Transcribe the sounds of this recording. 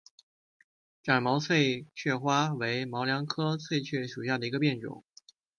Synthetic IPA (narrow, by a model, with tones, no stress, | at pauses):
ʈ͡ʂa˨˩nmɑ˧˥ʊsʰwe˥˧ɪt͡ɕʰɥɛ˥˩xwa˥we˧˥ɪmɑ˧˥ʊljɑ˧˥ŋkʰɤ˥sʰwe˥˧ɪt͡ɕʰɥɛ˥˩ʂu˨˩ɕja˥˩d̪ə˩i˧˥ɡə˧pjɛ˥˩nʈ͡ʂʊ̰˨˩˦ŋ